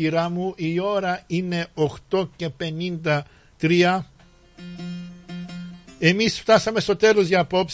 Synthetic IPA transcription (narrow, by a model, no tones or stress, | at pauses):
iɾɐmuʔio̞ɾɐine̞oxt̪o̞ce̞pe̞nind̪ɐ | t̪ɾiɐ | e̞misft̪ɐsɐme̞st̪o̞t̪e̞lo̞zʝɐːpo̞ps